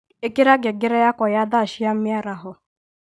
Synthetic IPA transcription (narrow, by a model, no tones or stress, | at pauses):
ekeɾaɡɪɡɪɾejakʷɔjad̪aaʃɪjam̩mjaɾaɦʊ